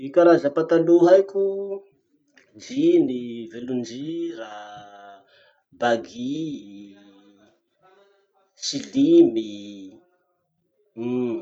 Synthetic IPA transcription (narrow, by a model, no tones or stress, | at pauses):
ikʲaɾazapat̪aluɦajkʲu | nd͡ʒinivelund͡ʒira | baɡi | silimi